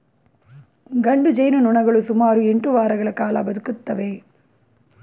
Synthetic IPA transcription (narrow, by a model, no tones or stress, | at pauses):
ɡɐɳɖud͡ʒɐjnunuɳɐɡɐɭusumaːɾueɳʈuʋaːɾɐɡɐɭɐkaːlɐbɐd̪ukut̪ːɐʋe